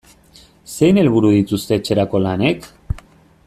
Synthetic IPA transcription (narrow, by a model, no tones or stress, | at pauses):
se̞jne̞lβ̞uɾuð̞it̪ust̪e̞ːt͡ʃe̞ɾako̞lane̞k